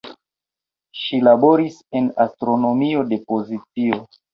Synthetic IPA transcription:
ʃilabo̞ɾise̞nastɾo̞no̞mio̞de̞po̞zit͡sio

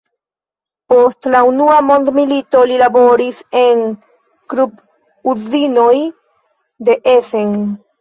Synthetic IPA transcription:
po̞stlaunuamo̞nd̪milito̞lilabo̞ɾise̞ŋ | kɾup | uzino̞j | d̪e̞ʔeseŋ

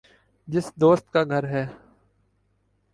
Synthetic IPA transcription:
d͡ʒɪsd̪oːst̪̚kaːɡʱəɾɦɛː

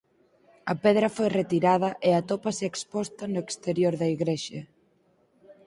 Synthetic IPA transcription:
ɐpeðɾɐfojret̪iɾað̞ɐʔeɐt̪opɐseekspɔst̪ɐnʊekst̪eɾjoɾðɐiɣɾeʃɐ

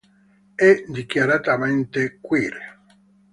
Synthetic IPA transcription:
ɛd̪ikjaɾat̪amɛnt̪ekwiːɾe

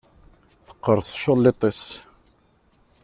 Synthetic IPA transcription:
θə̥qːəɾˤsˤʃolːet̪ˤes

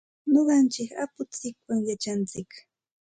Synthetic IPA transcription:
noɢɑnt͡ʃɪka̰pʊt͡sɪkwaŋjat͡ʃant͡sɪk

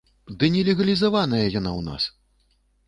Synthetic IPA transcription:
d̪ɨnʲɛlʲɛɣɐlʲizavanɐjɐjanawna̰s

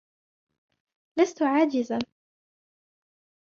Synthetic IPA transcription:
last̪ʊʕaːd͡ʒɪza

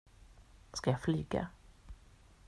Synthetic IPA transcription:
skajaflyːɡa̰

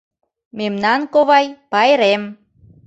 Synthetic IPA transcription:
memnɑnkoβɑjpɑjɾem

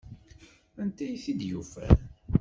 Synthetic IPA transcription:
ænt̪æjθid̪jufæ̰

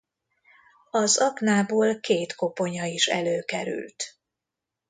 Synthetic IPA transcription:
ɒzɒɡnaːboːlkeːt̪ko̞po̞ɲɒiʃɛ̰løːkɛɾy̰lt̪

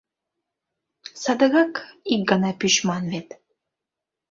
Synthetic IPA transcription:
sɑd̪ə̆ɣɑkik̚ɡə̆nɑpyɕmɑnβet̪

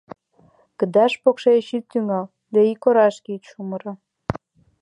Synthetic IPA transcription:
kə̆d̪ɑʃpokʃeʃitt̪ːyŋɑl | d̪ɑikoɾɑʃkit̪ʃuməɾɑ

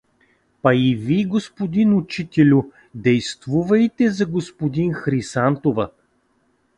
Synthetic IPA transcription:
pɐiviɡospod̪inʊt͡ʃit̪ɛlʲʊ | d̪ɛjst̪vuvɐjt̪ɛzɐɡospod̪inxɾisant̪ovɐ

